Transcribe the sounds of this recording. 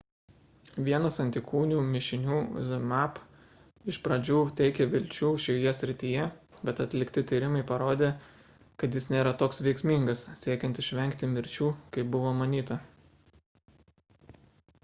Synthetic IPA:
ʋʲiɛnɐsɐnʲt̪ʲɪkʰuːnʲuːmʲɪʃʲɪnʲuːzɐmɑp | ɪʃpɾɐd͡ʒʲuːt̪ʲɛɪkʲɛʋʲɪlʲt͡ʃʲuːʃʲɛjoːjɛsʲɾʲɪt̪ʲiːjɛbʲɛt̪ɐt̪ʲlʲɪkt̪ʲɪt̪ʲiːɾʲɪmɐɪpɐɾoːd̪ʲeː | kɐt̪jɪsnʲeːɾɐt̪oːksʋʲɛɪksʲmʲiŋɡɐssʲiɛkʲɛnt̪ɪʃʲʋʲɛŋʲkt̪ʲɪmʲɪɾʲt͡ʃʲuːkɐɪp̚bʊʋoːmɐnʲiːt̪ɐ

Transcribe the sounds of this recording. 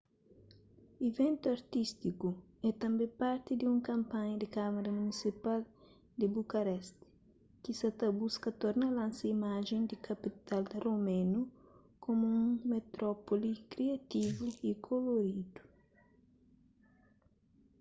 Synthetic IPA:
evẽnt̪uɐɾt̪ist̪iku | ɛt̪ɐ̃mbẽpaɾt̪ɪd̪iũŋkɐ̃mpãɲɐd̪ɪkamaɾɐmunisipal | d̪ɪbukɐɾɛst̪ɪ̥ | kisat̪abuskɐt̪ɔɾnɐlãnsɐimaʒẽnd̪ikʰɐpit̪ald̪ɐromẽnu | komuũŋmet̪ɾɔpolikɾiɐt̪ivuikʰoloɾid̪u̥

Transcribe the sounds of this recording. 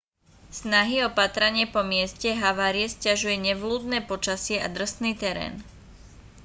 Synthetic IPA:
snaɦiɔpat̪ɾaɲɪɛpɔmɪɛscɛɦaʋaːɾiɛscaʒujɛɲɛʋluːd̪nɛːpɔt͡ʃasɪɛʔa̰d̪r̩st̪niːt̪ɛɾɛ̰ːn

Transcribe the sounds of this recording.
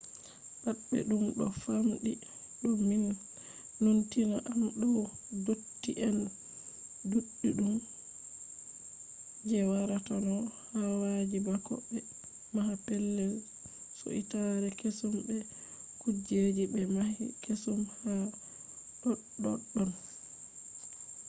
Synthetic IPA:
batɓɛ̰ɗumɗɔ̰famɗi | ɗɔmin | nontinaʔanɗɔdotːiʔɛn | duɗːiɗum | d͡ʒɛwaɾatanɔhawad͡ʒibakɔ̰ɓːɛ | mahapɛlːɛw | so̰ʔḭtaɾɛkesumbɛ | kud͡ʒed͡ʒibɛmahḭkesumha | ɗɔɗɔ̰ɗːɔn

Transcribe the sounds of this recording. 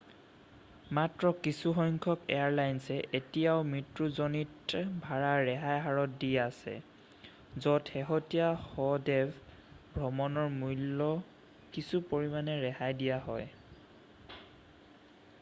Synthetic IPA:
matɹɔkisuxɔŋkʰɔkɛ̰aɹlajnsɛʔetijaʊmɹitɹuzɔnitbʱaɹaɹɛɦajɦaɹɔt̚diasɛ̰ | zɔtxɛɦɔtijahɔdɛv | bʱɹɔmɔnɔɹmujlːɔ | kisupoɹimanɛɹɛhajdijaɦɔ̰j

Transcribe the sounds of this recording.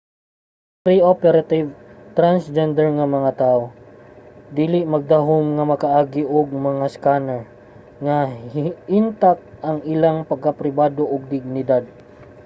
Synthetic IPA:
pɾiʔopɛɾat̪ɪvt̪ɾansd͡ʒɛnd̪ɛɹŋɐmɐŋat̪aʔo | d̪iːlɪʔmɐɡ̚d̪aɦomŋɐmɐkaʔaːɡɪʔoɡ̚mɐŋaskanɛɹ | ŋahint̪ak̚ʔɐŋɪlaŋpɐɡ̚kapɾɪbaːd̪oʔʊɡ̚d̪ɪɡ̚nɪd̪ad̪̚

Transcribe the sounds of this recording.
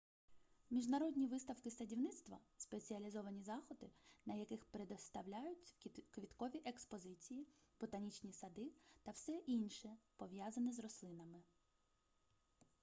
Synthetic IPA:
mʲiʒnɐɾɔd̪ʲnʲiʋɪst̪ɐwkɪst̪ɐdʲiwnɪt̪st̪ʋɐspe̞t͡sʲiɐlʲizɔʋɐnʲizɑxɔd̪ɪnɐjɐkɪxpɾed̪ɔst̪ɐwlʲajʊtʲkʋʲit̪kɔʋʲiʔekspɔzɪt͡sʲijibɔt̪ɐnʲit͡ʃnʲisɐd̪ɪt̪ɐwsɛʔinʃɛpɔʋjazɐnizrɔslˠɪnɐmɪ

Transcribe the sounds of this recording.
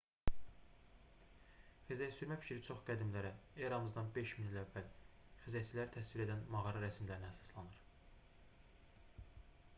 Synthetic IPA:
χizjæsyɾmæfi̥cʰɾit͡ʃʰo̞χɡ̥æd̪imlæɾæeɾɑmɯzd̪ɑnbe̞ʃminilævːælχizjæt͡ʃʰilæɾit̪ʰæsviɾe̞d̪ænmɑʁɑɾɑɾæsmilæɾinææsɑ̥slˠɑnɯɾ̥

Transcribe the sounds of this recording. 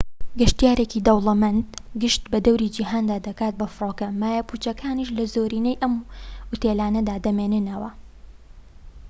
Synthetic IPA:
ɡɐʃt̪ijaːɾekid̪ɐwlˠɐmɐnt̪ɡɨʃt̪bɐd̪ɐwɾid͡ʒiɦaːnd̪aːd̪ɐkaːt̪̚bɐfɨɾoːkɐmaːjaput͡ʃɐkʰaːniʃlɐzoːɾiːnejʔɐmʊt̪eːlaːnɐd̪aːd̪ɐmeːnɨnɐwɐ

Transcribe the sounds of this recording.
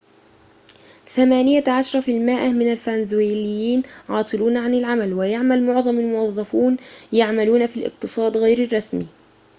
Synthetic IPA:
θamaːnɪjaʕaʃɑɾˤɑfɪlmaːʔmɪnalfanzuiːlɪjːiːnʕɑːt̪ˤɨluːnaʕanɪlʕamalwɪjaʕmalmʊʕðˤɑmalmʊwɑðˤːɑfuːnjaʕmaluːnafilʔɪ̰qt̪ɨsˤɑːd̪ɣajɾɪrˤːɑsmiː

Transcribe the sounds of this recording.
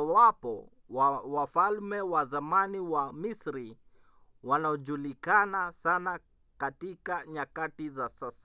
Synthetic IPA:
awapɔ | wafalmɛwazamaniwamisɾi | wanaɔʄulikanasana | katikaɲakatizasasḁ

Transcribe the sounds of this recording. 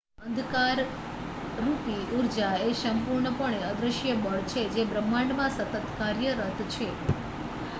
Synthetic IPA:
ənd̪ʱkaɾː | upiuɾd͡ʒaesəmpuɾɳəpəɳeəd̪ɾəʃjəbəɭt͡ʃʰed͡ʒebɾəmːaɳɖmãsət̪ət̪kaɾjəɾət̪t͡ʃʰe

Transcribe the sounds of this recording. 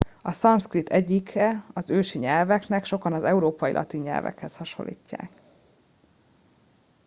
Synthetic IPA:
ɒsɒnskrit̪ʰːɛɟːikɛɒzøːʃiɲɛlvɛknɛkʃo̞kɒnɒzɛuɾoːpɒjḭlɒ̰t̪iɲːɛ̰lvɛ̰khɛshɒʃo̞̰lːʔḭːcːa̰ːk

